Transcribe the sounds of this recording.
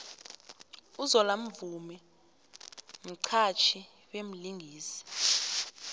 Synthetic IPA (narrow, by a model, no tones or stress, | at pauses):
uzɔlam̩vumɛ | m̩ǀʰat͡ʃʰi | wem̩liŋɡʱiːsi̥